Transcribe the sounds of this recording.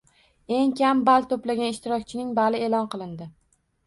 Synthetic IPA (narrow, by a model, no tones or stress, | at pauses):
e̞ŋkʲambalt̪ʰoplaɡʲanɪʃt̪ɪɾɒk̚ʲt͡ʃʰɪnɪŋbalɪelɒnqɨlˠɪnd̪ɪ